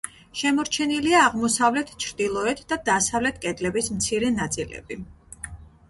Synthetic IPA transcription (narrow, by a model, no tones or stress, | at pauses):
ʃɛmɔɾt͡ʃʰɛniliaːʁmɔsavlɛt̪ʰt͡ʃʰɾd̪̥ilˠɔɛt̪ʰd̪ad̪asavlɛt̪ʰkʼɛd̪lɛbismt̪sʰiɾɛnat̪sʼilɛ̰bi